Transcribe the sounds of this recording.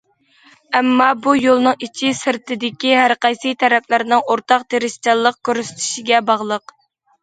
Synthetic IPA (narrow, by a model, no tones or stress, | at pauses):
ɛmːɑbujolˠnɨŋit͡ʃʰɪsɪɾt̪ʰɪd̪ɪkʲiɦæɾqɑjsɨt̪ʰɛɾɛplɪɾnɨŋoɾt̪ɑq̚t̪ʰeɾɪʃt͡ʃɑlˠːəq̚kʲøɾyst̪ʰɪ̥ʃɪɡʲɛbɑʁlˠəq